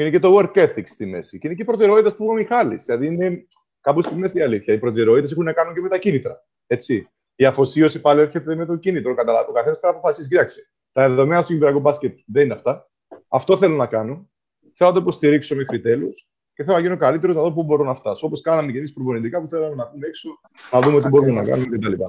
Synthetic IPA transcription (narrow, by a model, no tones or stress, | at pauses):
inece̞t̪o̞weɾkeθikst̪ime̞̰siceineceipɾot̪eɾo̞it̪espuɣomixɐlḭslɐðiine̞ | kɐpost̪ime̞siɐliθçɐipɾo̞t̪eɾoit̪es̬ixunːɐkɐnuɲceme̞t̪ɐcinit̪ɾɐ̰ | e̞t͡sːi | iɐfo̞sio̞sipɐlie̞ɾçe̞t̪e̞me̞t̪o̞cinit̪ɾokɐt̪ɐlɐvokɐθenɐspenɐpo̞fɐsiscit̪ɐksi̥ | t̪ɐðeðo̞menɐst̪ucibiɾɐkubɐscet̪̚ðenineɐft̪ɐ | ɐft̪o̞θe̞lonɐkɐnon | θelonɐt̪oipost̪iɾikso̞me̞xɾit̪e̞lus | ceθelonɐʝinokɐlit̪e̞ɾoznɐðop̬ubo̞ɾo̞nɐft̪ɐso̞poskɐnɐmece̞mispɾoponit̪ikɐpuθe̞lɐmenɐpumeekson | nɐðumeo̞t̪̬ibo̞ɾumenɐ̰kɐ̰numecet̪ɐlipɐ̰